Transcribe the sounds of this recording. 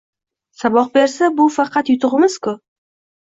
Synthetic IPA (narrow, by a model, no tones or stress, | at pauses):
sabɒq̚be̞ɾsabʊfɑqʰɑt̪jʊt̪ʰʊʁɨmɪz̥kʰʊ